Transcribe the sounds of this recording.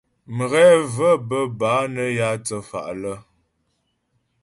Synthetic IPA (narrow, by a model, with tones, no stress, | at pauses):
mə˨ɣɛ˦və˦˨bə˦baː˨˦nə˦ja˦t͡sə˨fa̰˨ʔlə˦